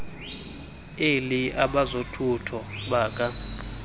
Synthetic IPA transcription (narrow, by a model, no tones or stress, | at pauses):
eliaɓazotʰutʰɔ | ɓaːkʼa